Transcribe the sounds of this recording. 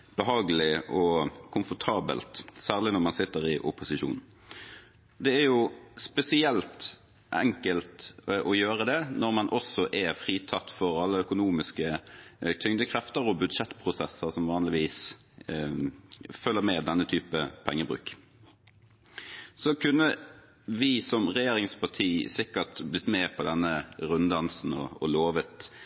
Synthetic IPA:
b̥əɦɑːɡəlɪʔɔkʰʊmfɔʁt̪ʰɑːbə̰lt̪sæːʁlɪnɔʁmɑnsɪt̪ːəɾɪʔʊpʊsɪʃṵːn | d̪ɛæjʊspɛsɪɛlt̪ | ʔɛ̰ŋkəlt̪ʔɔjøːʁəd̪ɛnɔʁmɑnʔɔsɔʔɛfʁiːt̪ʰɑt̪ːfɔɾɑlːəœkʊnuːmɪskət̪ʰʏŋd̪əkʰʁɛft̪əɾɔbʉd̪ʂɛt̪ːpʰʁʊsɛsːəʁsɔmʋɑːnlɪʋiːs | fœlːəmɛd̪ɛnːət̪ʰyːpəpʰɛŋːəbʁʉ̰ːk | sɔkʰʉnːə | ʋɪsɔmʁɛjeːɾɪŋspʰɑʈ̪ʰiːsɪkːəʈ̪blɪt̪ːmɛpʰɔd̪ɛnːəɾʉnd̪ɑnsn̩ɔ̰ɔloːʋət̪

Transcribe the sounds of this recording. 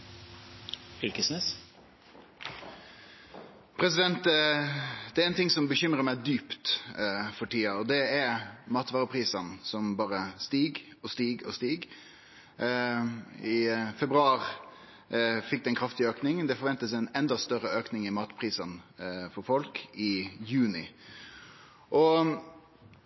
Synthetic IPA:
fɪlkəsnes | pʰɾɛsɪd̪ɛnt̪ | d̪ɛæɾɛnt̪ʰɪŋsɔmbəçʏmɾəmæɪd̪yːpt̪fɔʈiːɑɔd̪ɛæɾmɑːt̪ʋɑːʁəpʰʁiːsənsɔmbɑːɾəst̪iːɡ | ɔst̪iːɡɔ̰st̪iːɡ | ɪfɛbɾʉɑːɾ | fɪk̚d̪ɛnkʰɾɑft̪ɪøːknɪŋd̪ɛfɔɾʋɛnt̪əs̬æɛnɛnd̪ɑst̪œɾəøːknɪŋɪmɑːt̪pʰɾiːsɑnfɔɾfɔlkɪjʉːnɪ | ʔɔ

